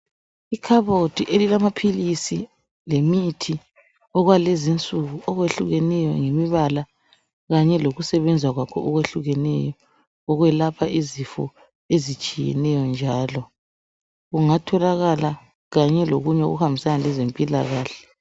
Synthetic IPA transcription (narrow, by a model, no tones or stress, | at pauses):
ikʰaβotʰiʔelilamapʰilisi | lemitʰi | ɔɣwalɛzint͡sʼuɣuʔɔɣweɬuɣɛnɛjɔ̰ŋemiβala | ɣaɲɛloɣusɛβɛnd͡zʱwaɣwakʰɔʔɔɣweɬuɣɛnɛ̰jɔ | ɔɣwɛlapʰaizifɔ̰ | ezit͡ʃʼijɛ̰nɛjɔnd͡ʒʱaːlɔ | ɣuŋatʰɔlaɣala | ɣaɲɛloɣuɲɛo̰ɣuhambʱisanalɛzempʼilaɣaːɬɛ̥